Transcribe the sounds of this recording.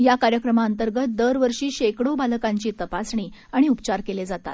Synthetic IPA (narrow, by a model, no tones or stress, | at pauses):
jakaɾjəkɾəmaənt̪əɾɡət̪̚d̪əɾʋəɾʂiːɕekɽobalkaɲt͡ɕiːt̪əpasɳ̃iːaɽ̃iupt͡ɕaɾkeled͡zat̪a̰t̪